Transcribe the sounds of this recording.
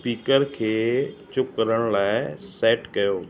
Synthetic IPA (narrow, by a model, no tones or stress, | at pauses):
piːkəɾkʰeːt͡ɕʊkəɾəɽ̃laːɪsɛːʈkɐjoː